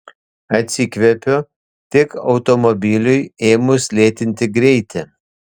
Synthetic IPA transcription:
ɐt̪ʲsʲɪkʋʲɛpʲoː | t̪ʲɪkɒʊt̪ɔmɔbʲɪlʲʊjeːmʊslʲeːt̪ʲɪnʲt̪ʲɪɡɾʲɛɪt̪ʲɪ

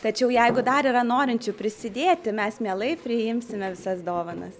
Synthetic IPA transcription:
t̪ɐt͡ʃʲɛʊjɛɪɡʊd̪ɐɾiːɾɐnoːɾʲɪnʲt͡ʃʲʊpʲɾʲɪsʲɪd̪ʲeːt̪ʲɪmʲɛsmʲeɛlˠɐɪpʲɾʲɪjɪmʲsʲɪmʲɛʋʲɪsɐsd̪oːʋɐnɐ̰s

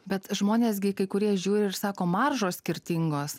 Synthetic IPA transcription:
bʲɛt̪ʒmoːnʲeːs̬ʲɡʲɪkɐɪkʊɾʲiɛʒʲuːɾʲɪɪɾsɑːkoːmɑrʒoːssʲkʲɪɾʲt̪ʲɪŋɡoːs

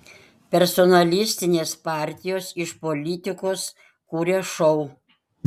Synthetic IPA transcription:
pʲɛɾsɔnɐlʲɪsʲt̪ʲɪnʲeːspɑːˑɾʲt̪ʲɪjoːsɪʃpolʲɪt̪ʲɪkoːs | kuːɾʲeʃɔʊ

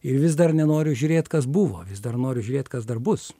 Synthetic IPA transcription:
ɪɾʋʲɪsd̪ɐrnʲɛnoːɾʲʊʒʲuːɾʲeːt̪kɐs̬bʊʋo̰ːʋʲɪsd̪ɐrnoːɾʲʊʒʲʊːɾʲeːt̪kɐsd̪ɐrbʊs

